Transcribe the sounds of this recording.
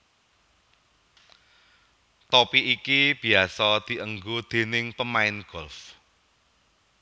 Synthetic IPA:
t̪ɔpiʔikib̥i̤asɔd̪̥i̤ʔəŋɡod̪̥e̤nɪŋpəmaɪnɡ̥ɔ̤lf

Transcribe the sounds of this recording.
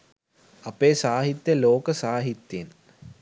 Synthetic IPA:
ɐpeːsaːɦit̪jɐloːkəsaːɦit̪jen

